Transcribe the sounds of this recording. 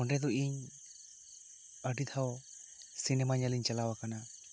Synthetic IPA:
ɔnɾɛd̪ɔʔiɲ | əɖid̪ʰʱaw | sinɛmaɲaliɲt͡ʃalawakana

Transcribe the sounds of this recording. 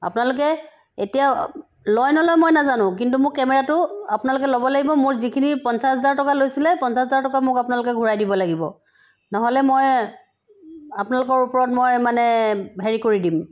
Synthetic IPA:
a̰pʊnalʊk̬ɛ | etija | lɔjnɔlɔjmojnazanʊ̃kintumʊkkɛmɛɹatʊapʊnalʊk̬ɛlobɔlaɡibɔmʊɹzikʰinipɔnsaszaɹtɔkalojsilɛpɔnsaszaɹtɔkamʊkapʊnalʊkɛɡʱuɹajdibɔlaɡibɔ̰ | nɔɦɔlɛmoj | apʊnalʊkɔɹupɔɹɔt̚mojmanɛɦeɹikoɹidim

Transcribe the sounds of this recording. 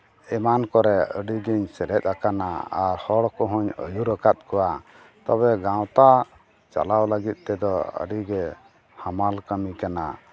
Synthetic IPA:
ɛmankɔɾɛəɖiɡɛɲsɛɾɛt̪̚ˀakanaa̰ɾhɔɽkɔɦɔɲə̰juɾəkat̪̚kɔwa | t̪ɔβɛɡãw̃t̪a | t͡ʃa̰lawləɡit̪̚ˀt̪ɛd̪ɔə̰ɖiɡɛ | hamalkəmikana̰

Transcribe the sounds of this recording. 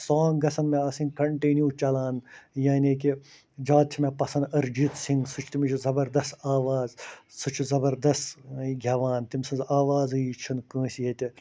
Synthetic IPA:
saːŋɡɡɐsɐnmẽɐsĩnkɐɳʈiːnjuːt͡ʃɐlaːnjaːnʲik̬i | d͡ʒaːt̪̚t͡ʃʰimẽpɐsɐnɐɾd͡ʒit̪siŋɡsut͡ʃʰt̪imit͡ʃʰizɐbɐɾd̪ɐst̪aːʋaːzsut͡ʃʰuzɐbɐɾd̪ɐst̪ɡʱʲɐʋaːnt̪imsɐ̃nzaːʋaːzɨit͡ʃʰɐnkə̃ːsijet̪ʲi

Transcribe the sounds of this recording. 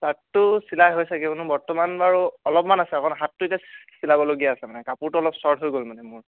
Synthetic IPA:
satːʊsilajɦojsaɡɛbɔnubɔɹtɔmanbaɹuɔlɔpmanasɛakɔnɦatːʊetjasilabɔloɡijaːsɛmanɛkapuɹtʊɔlɔpsɔɹdɦojɡolmanɛmʊɹ

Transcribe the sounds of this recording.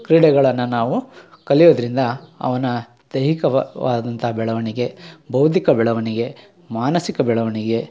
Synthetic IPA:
kɾiːɽɛɡɐɭɐnːɐnaːʋu | kɐɭijoːd̪ɐɾind̪ɐɐ̰ʋɐnɐ | d̪̥ɐɦikɐʋa̰ːd̪ɐnt̪ɐɦɐbɛɭɐʋɐɳiɡe̞bɐwd̪ʱikɐbɛɭɐʋɐɳiɡe̞ | maːnɐsikɐbɛɭɐʋɐɳiɡe̞

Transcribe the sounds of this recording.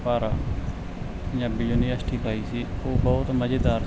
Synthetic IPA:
paːɾaː | jãːbɪjuniːəsʈʰiːpaːiːsiːoːbɔːt̪məd͡ʒed̪aːɾ

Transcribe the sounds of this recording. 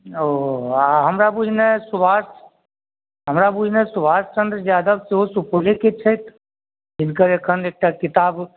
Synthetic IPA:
oaɦəmɾabunesubas | ɦəmɾabunesubaːst͡ʃə̃nd̪ɾd͡ʒaːd̪abseɦosupuleket͡ʃʰət̪ | d͡ʒɪnkəɾeːkʰəneːk̚ʈakɪt̪aːb

